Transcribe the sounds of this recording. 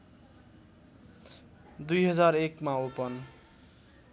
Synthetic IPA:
d̪ujɦʌd͡zaɾekmaopʌn

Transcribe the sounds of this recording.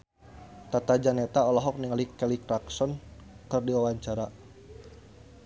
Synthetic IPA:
t̪at̪ad͡ʒanɛt̪aɔlaɦɔk̚niŋalikɛlikɾaksɔnkɨrdiwawaɲt͡ʃaɾa

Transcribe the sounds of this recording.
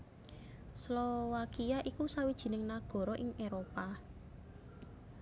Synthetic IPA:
slowakijaʔikusawid̥ʒ̥i̤nɪŋnaɡ̥ɔ̤ɾɔʔɪŋʔeɾopa

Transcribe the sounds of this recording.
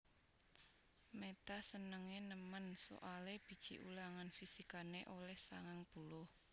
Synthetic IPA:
met̪asənəŋenəmənso̰ʔaleb̥i̤d̥ʒ̥ḭʔṵlaŋanfisikaneʔolɛhsa̰ŋaŋb̥ulʊh

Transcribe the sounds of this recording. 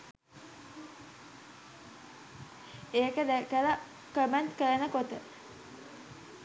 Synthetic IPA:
eːkəd̪ækəla | kəmentkəɾənəkot̪ə

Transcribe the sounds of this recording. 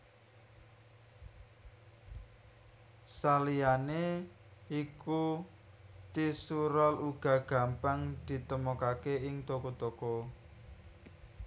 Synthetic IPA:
salijane | iku | t̪isuɾɔluɡ̥ä̤ɡ̥ä̤mpaŋd̪̥i̤t̪əmokakeɪŋt̪okot̪oko

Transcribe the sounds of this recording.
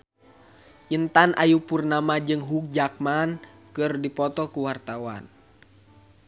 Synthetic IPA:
ʔint̪anʔajupurnamad͡ʒɨŋɦuk̚d͡ʒak̚mankɨrdipɔt̪ɔkuwart̪awa̰n

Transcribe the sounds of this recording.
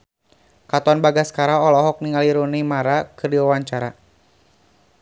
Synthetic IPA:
kat̪anbaɡaskaɾaɔlɔɦɔk̚niŋaliɾonimaɾakɨrdiwawaɲt͡ʃaɾa̰

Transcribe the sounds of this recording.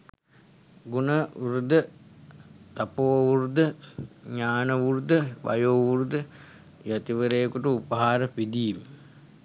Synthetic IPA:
ɡunəuɾud̪ə | t̪apouɾud̪əɲaːnəʋuɾud̪əʋʔa̰joːʋuɾud̪ə | jat̪iʋəɾejkuʈuupəɦaːɾəpid̪iːm

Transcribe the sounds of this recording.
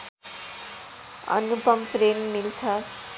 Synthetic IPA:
ʌ̰nupʌmprenmilt͡sʰʌ

